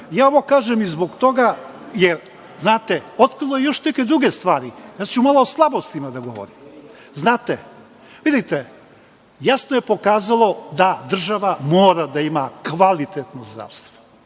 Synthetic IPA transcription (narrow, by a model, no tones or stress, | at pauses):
jaːoʋokaːʒemizbo̞ɡt̪o̞ɡa | jeɾ | znaːt̪eot̪kɾilˠoje̞jo̞ʃneke̞d̪ɾuɡe̞st̪ʋaːɾijaːt͡ʃumalˠoːslˠabo̞st̪imad̪aɡo̞̰ʋo̰ɾḭm | znaːt̪e | ʋid̪it̪e | jasnoje̞po̞kaːzalo̞d̪ad̪r̩ʒaʋamo̞ːɾad̪aimakʋalit̪et̪nozd̪ɾa̰ʋst̪ʋo